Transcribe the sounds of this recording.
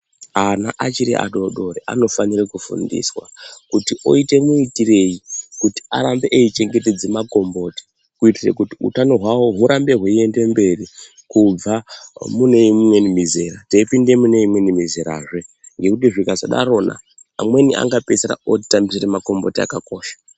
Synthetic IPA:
anaʔat͡ʃiɾḭa̰ɗo̞ɗo̞ɾeʔa̰no̞fanirekufṵndḭswa̰kutiʔo̞̰ite̞muitire̞jikuti̥a̰ɾambeʔeit͡ʃe̞ŋɡe̞te̞d͡zemako̞mbo̞ːti̥ | kuitirḛkutiṵtano̞ɦwawoɦuɾʔambe̞ɦweie̞nde̞mbe̞ri | kub͡vamune̞imwe̞nimizeɾateipinde̞mune̞imwe̞nimizeɾa̰ʐeŋɡe̞kut̬iʐikazaɗa̰ɾo̞ːna̰ː | mwe̞niʔa̰ŋɡape̞seɾa̰oti̥tambisiremako̞mbo̞tia̰kako̞ːʃḁ

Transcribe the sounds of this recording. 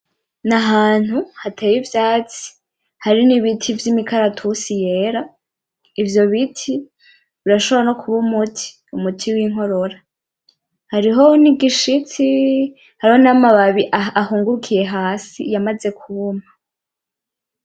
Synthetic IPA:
naɦaːn̥huhatʰeːjivjaːt͡si̥ | haɾiniβitʰivjimikʰaɾatʰusije̞ːɾa | ivjo̞βitʰi | βiɾaʃoβɾano̞kʰuβumutʰi̥ | umutʰiwiŋɦo̞ɾo̞ɾa | haɾiɦo̞niɡiʃit͡si | haɾiho̞namaβaβiʔaahuːŋɡuɾukʰije̞ɦaːsḭjamaze̞kʰuβoma

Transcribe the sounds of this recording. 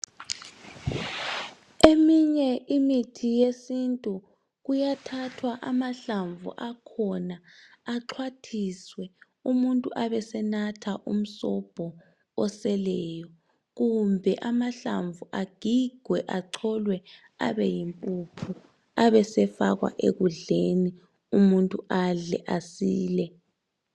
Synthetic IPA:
emiɲɛʔimitʰijesintʼu | ɣujatʰatʰwaʔamaɬaɱvṵʔakʰɔnaːǁʰwatʰiswɛ | umuntʼuʔaβɛsɛnatʰaʔṵm̩sɔb̥ʱɔ | ɔsɛlɛːjɔ | ɣumbʱɛʔamaɬaɱvuʔaɡ̥ʱiɡ̥ʱwɛʔaǁʰɔlwɛ | a̰βɛjimpʼupʰu | aβɛsɛfaɣwa̰ʔḛɣuɮeni | umuntʼuaɮɛ̰ʔasiːlɛ

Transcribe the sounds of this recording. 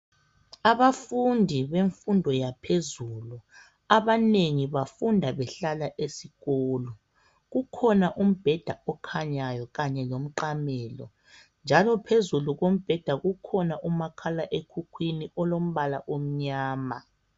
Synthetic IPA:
aβafundʱiβeɱfundʱɔjapʰezulu | aβaneŋiβafundʱaβɛɬalaʔesiɣɔːlɔ | ɣukʰɔnaʔum̩b̥ʱɛd̥ʱaɔkʰaɲajɔɣaɲɛlom̩ǃamɛːlɔ̰ | nd͡ʒʱalɔpʰezuluɣom̩b̥ʱɛd̥ʱaɣukʰɔnaʔumakʰalaʔekʰukʰwiniʔɔlom̩βalaʔom̩ɲaːma

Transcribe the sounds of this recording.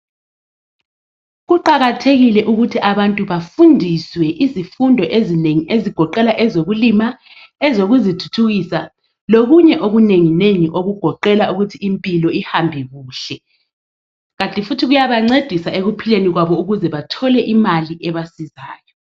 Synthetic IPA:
ɣuǃaɣatʰeɣilɛʔuɣutʰiʔaβantʼuβafundʱiswɛʔizifundʱɔʔezineŋiʔeziɡ̥ʱɔǃɛlaʔɛzoɣulima | ɛzoɣuzitʰu̥tʰuɣisa | loɣuɲɛʔoɣuneŋineŋiʔoɣuɡ̥ʱɔǃɛlauɣutʰiimpʼilɔihambʱɛɣuːɬɛ | ɣatʼifutʰiɣujaβaŋ͡ǀed̥ʱisaeɣupʰileniɣwaβɔuɣuzɛβatʰɔlɛʔimaliʔɛβasizaːjɔ

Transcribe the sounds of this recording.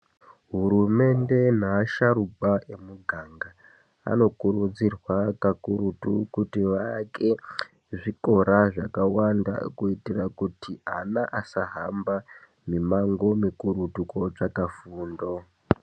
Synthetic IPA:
ɦuɾume̞nde̞n̤aːʃaɾubʱaʔe̞muɡʱaŋɡa | a̰no̞kuɾud͡zirwakakuɾutukutiʋake̞ | ʐiko̞ɾaʐakawanda̰kuitirakutʰianaʔasaɦamba | mimaŋɡo̞mikuɾutuko̞t͡ʂakafuːndo

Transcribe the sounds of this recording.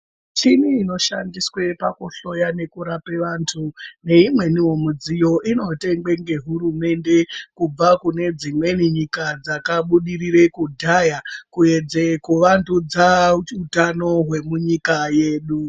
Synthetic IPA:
t͡ʃiniino̞ʃa̰ndiswe̞pakuɬo̞jane̞kuɾape̞ʋaːntʰune̞imwe̞niwo̞mud͡zijo̞ʔino̞te̞ŋɡ͡be̞ŋɡe̞ɦuɾume̞nde̞kub͡vakune̞d͡zimwe̞niɲikad͡zakaɓuɗiriɾe̞kudʱajakue̞d͡ze̞kuʋantʰud͡zautano̞ɦwe̞muɲikaje̞ːɗu

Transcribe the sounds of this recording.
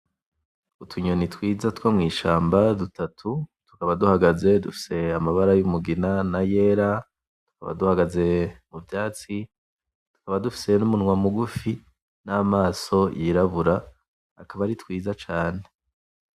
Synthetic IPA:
utʰuɲonitwiːzatwamŋiːʃaːmbadutatʰutu̥kaβaduhaɡaze̞dufi̥se̞amaβaɾajumuɡinanaje̞ːɾa | tu̥kaβa̰duhaɡaze̞muvjaːt͡si | tu̥kaβadufi̥se̞numunŋwamuɡufi | namaːso̞jiɾaβuɾaː | kaβaɾitwiːzat͡ʃaːne̞

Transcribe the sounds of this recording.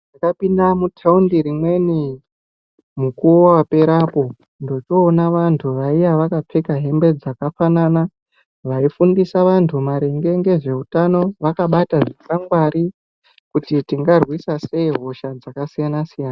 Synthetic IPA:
ʐakapindamutʰaundiɾimwe̞ni | mukurowape̞ɾapo̞ | ndo̞toːnaʋantʰuʋaijaʋakapʰe̞kaɦe̞mbe̞d͡zakafanana | ʋaifundisaʋantʰumaɾe̞ŋɡe̞ŋɡe̞ʐe̞utano̞ʋakaɓataʐisaŋɡwaɾi | kutitiŋɡarwisase̞iɦo̞ʃad͡zakasijanasijaːna

